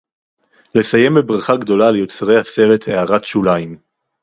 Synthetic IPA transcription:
le̞saje̞mbebʁaχaɡdo̞lalejo̞t͡sʁe̞jhase̞ʁe̞theaʁatʃulaim

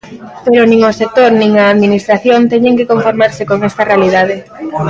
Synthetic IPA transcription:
peɾonĩŋosek̚t̪oɾnĩŋɐːðminist̪ɾaθjont̪ɛɲeŋkekoɱfoɾmaɾsekoŋɛst̪ɐrealið̞að̞e

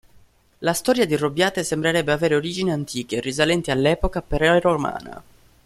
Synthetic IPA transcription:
last̪ɔːɾjad̪irobjaːt̪esembɾeɾɛbːeaveːɾeoɾid͡ʒiniant̪ʰiːk̟erizalɛnt̪ialːɛːpokapeɾɛɾoma̰ːna̰

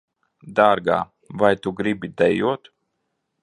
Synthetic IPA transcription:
d̪aːɾɡa̰ː | vajt̪uɡɾibʲid̪ɛjuɔt̪

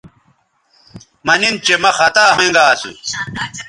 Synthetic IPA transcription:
mɐnint͡ɕemɐxɐt̪aːɦẽŋɡaːsṵ

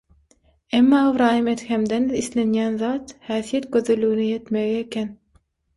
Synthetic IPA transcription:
emːɑːɑvɾɑːjɯmet̪xemd̪enðiθlenjænðɑːt̪hæːθijet̪̚ɡøðylːyɣynijet̪meɣiekʲʰen

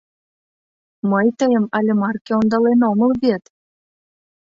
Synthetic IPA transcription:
məjt̪əjə̆mɑlʲemɑrkʲeond̪ɑlenoməlβet̪

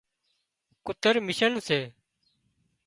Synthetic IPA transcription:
kʊt̪əɾmɪʃəɳseː

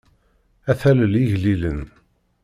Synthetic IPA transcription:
æθæləliʝlilən

